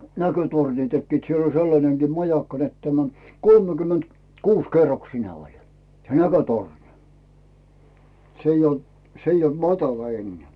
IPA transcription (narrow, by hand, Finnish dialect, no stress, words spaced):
nækøtorni tekːiːt siel olʲ selːɑneŋɡ̊iː mɑjɑkːɑ net tæmæ kolmekymːent kuːs kerːoksine olʲ se nækøtorni s eij ol s eij olt mɑtɑlɑ enːeæˑ